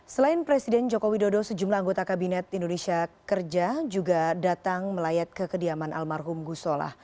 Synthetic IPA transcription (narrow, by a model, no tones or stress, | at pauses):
səlaɪnpɾɛsidɛnd͡ʒokowidodosəd͡ʒumlaaŋɡot̪akabinɛt̪indonesiakərd͡ʒad͡ʒuɡadat̪aŋməlajat̪̚kəkədiamanʔa̰lmarɦʊmɡusola̰h